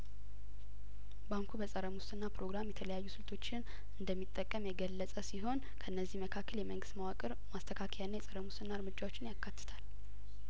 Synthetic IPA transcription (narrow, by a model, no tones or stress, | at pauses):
baŋkʰubəsʼəɾəmʊst̪ɨnːapʰɾo̞ɡɾamjɛt̪ʰələjajːusɨlt̪ʰo̞t͡ʃːɪn | ɨnd̪əmːit̪ʼːəkʼːəmjɛɡəlːəsʼəsiɦo̞n | kʰəʔɨnːəzːihməkʰakːəljɛməŋɡɨst̪mawakʼɨɾ | mast̪ʰəkʰakʰəjanːajɛsʼəɾəmʊst̪ɨnːaɨɾmɨd͡ʒawo̞t͡ʃːɪnjakːat̪ːɨ̥t̪ʰal